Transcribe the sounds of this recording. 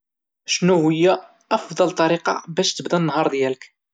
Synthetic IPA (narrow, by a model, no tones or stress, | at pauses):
ʃnuwijːæː | fd̪ˤɑlt̪ˤːɑɾiqɑ̰bæʃt̪əbd̪ænːɦɑɾˤðjælək